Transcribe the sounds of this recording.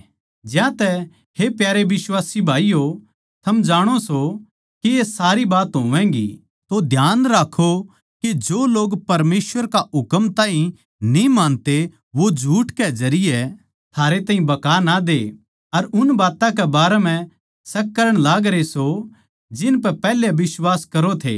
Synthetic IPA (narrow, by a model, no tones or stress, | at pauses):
d͡ʒjãt̪ɛ | hepjaːɾeʋɪswaːsibʱaːio | t̪ʰɐmd͡ʒaːɽ̃oso | kiesaːɾibaːt̪ɦoːʋɛ̃ːɡḭ | t̪od̪ʱjaːnɾaːkʰo | kid͡ʒoːloːɡpɐɾmeːsʋəɾkaɦʊkəmt̪ãːɦĩ | nĩmãːnt̪e | ʋod͡ʒʱuːʈkezɐɾɪje | t̪ʰaːɾet̪aːɦĩbɐkaːnad̪eː | ɐɾʊnbaːt̪ãk̬ɛbaːɾɛm̤ɛ̃ | sɐkːɐɾəɽ̃laːɡɾeso | d͡ʒɪnpɛpɛːlebɪswaːskɐɾot̪ʰḛː